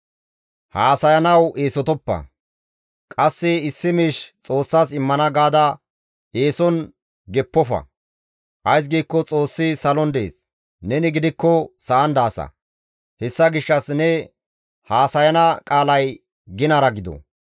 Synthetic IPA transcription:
haːsɐjɐnɐweːsɔt̪ɔpːɐ̰ | kʼɐsːɪɪsːɪmiːʃt͡sʼo̞ːsːaːsɪmːɐnɐɡaːd̪ɐ | eːsɔn | ɡɛpːɔfɐ̰ | ʔɐjs̬ɡiːkːɔt͡sʼo̞ːsːɪsɐlɔnd̪e̞̰ːs | nɛnɪɡɪd̪ɪkːɔsɐʔɐnd̪aːsɐ̰ | hɛsːɐɡɪʃːɐsnɛ | haːsɐjɐnɐkʼaːlɐj | ɡɪnɐɾɐɡɪd̪ɔ̰

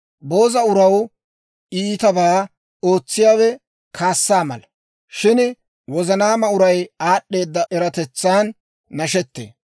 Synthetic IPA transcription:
bo̞ːzɐʊɾɐw | iːt̪ɐbaː | o̞ːt͡sːɪjaːwɛ | kʰaːsːaːmɐ̰lɐ | ʃɪn | wɔzɐnaːmɐʊɾɐjaːɗːe̞ːd̪ːɐʔɛɾɐt̪ɛt͡sːaːnː | ɐʃɛt̪ːḛː

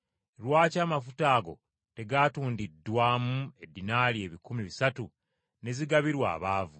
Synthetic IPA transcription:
lwaːcaːmafutaːɡo̞̰ | te̞ɡaːtuːndidːwaːmue̞dːinaːlie̞ːβikumiβisatu | ne̞ziɡaβiɾwa̰ːβaːvu

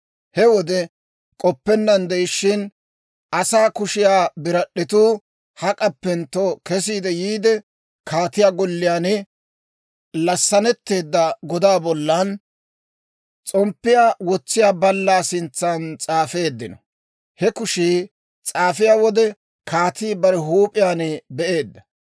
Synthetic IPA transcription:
hɛwɔd̪ɛ | kʼɔpːɛnːɐnd̪ɛjɪʃːɪn | ʔɐsaːkʊʃɪjaːbɪɾɐɗːɪt̪uː | hɐkʼɐpːɛnt̪okɛs̬iːd̪ɛjiːd̪ɛ | kʰaːt̪ɪjaːɡɔlːɪjaːnɪ | lɐsːɐnɛt̪ːe̞ːd̪ːɐɡɔd̪aːbɔlːɐn | t͡sʼɔmpːɪjaːwɔt͡sːɪjaːbɐlːaːsɪnt͡sːant͡sʼaːfe̞ːd̪ːɪnɔ | hɛkʊʃi | t͡sʼaːfɪjaːwɔd̪ɛ | kaːt̪iːbɐɾɛɦuːpʼɪjaːnɪbɛʔe̞ːd̪ːɐ

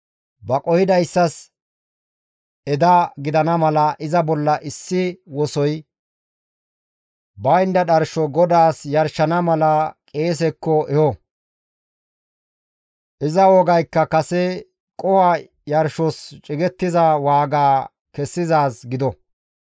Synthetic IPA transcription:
bɐkʼɔhɪd̪ɐjsːɐs | ɛd̪ɐɡɪd̪ɐnɐmɐlɐʔɪzɐbɔlːɐʔɪsːɪwɔsɔj | bɐjnd̪ɐɗɐɾʃɔɡɔd̪aːsjɐɾʃɐnɐmɐlɐkʼe̞ːs̬ɛkːɔʔɛhɔ | ʔɪzɐwɔɡɐjkːɐkɐsɛ | kʼɔwa | jɐɾʃɔst͡ʃʼɪɡɛt̪ːɪzɐwaːɡaː | kɛsːɪzaːsɡɪd̪ɔ

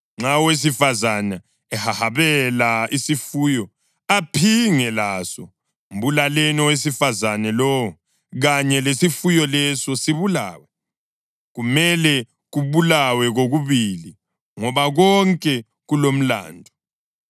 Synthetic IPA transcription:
ŋ͡ǀawes̬ifazana | ɛhahaβɛlaisifuːjɔ | apʰiŋɛlasɔ̰ | um̩βulalɛnɔwes̬ifazanɛlɔwɔ | ɣaɲɛlesifujɔlɛsɔsiβula̰ːwɛ | ɣumɛlɛ | ɣuβulawɛɣoɣuβili | ŋɔβaɣɔŋkʼɛ | ɣulom̩la̰ːndʱɔ

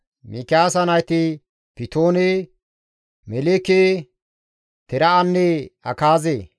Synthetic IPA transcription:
mikɪaːsɐnɐjt̪ɪ | pɪt̪oːne | mɛleke | t̪ɛɾɐɐnːɛɐ̰kaːzeː

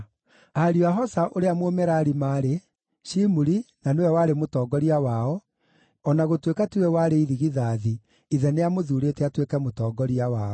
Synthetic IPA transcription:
aɾiaɦɔsaʔoɾeamomɛɾaɾimaːɾe | ʃimuɾinanewɛwaɾemotɔːɡɔɾiawaɔ | ɔnaɣotwekatiwɛwaɾeiðiɣiðaːði | iðɛneamoðuːɾetɛatwekɛmotɔːɡɔɾiawaɔ

